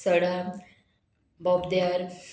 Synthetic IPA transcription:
səɽa | bɔbd̪jaɾ

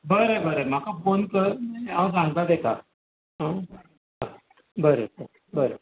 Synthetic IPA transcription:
bəɾebəɾem̤akafonkəɾeaws̬ãŋɡt̪at̪eka | ɦə̃ | ka | bəɾesə | bəɾe

